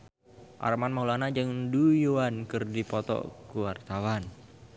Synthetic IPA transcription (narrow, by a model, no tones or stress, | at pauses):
ʔa̰rmanmaɦulanad͡ʒɨŋdujoankɨrdipɔt̪ɔ̰kuwart̪awan